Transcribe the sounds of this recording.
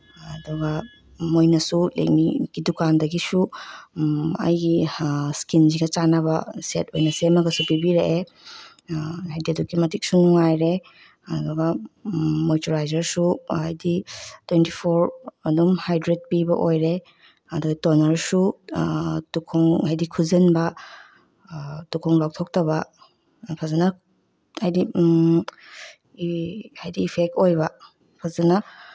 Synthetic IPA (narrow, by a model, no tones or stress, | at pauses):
ɐduɡɐ | mojnɐsulḛk̚miɡ̥idukandɐɡisu | ɐ̰jɡiskinziɡɐt͡ʃanɐbɐ̰setojnɐsemɐɡɐsupibiɾeʔe | ajdidukimɐtik̚sunuŋajɾe | ɐduɡɐ | mojtoɾajzɐɾsuajditwenti̥pʰoɾɐdumhajdɾet̚pibɐʔojɾe | aduɡɐtɔnɐɾsu | tukʰɔŋajdikʰuzɯnbɐ | tukʰɔŋlaw̚tʰɔk̚tɐβɐ | pʰazana | hajdi | hajdiːpʰek̚tojbɐ | pʰazana